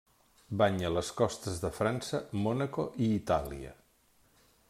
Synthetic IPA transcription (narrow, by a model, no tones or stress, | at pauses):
baɲələskɔst̪əzðəfɾansəmɔnəkoʔiːt̪alḭə̰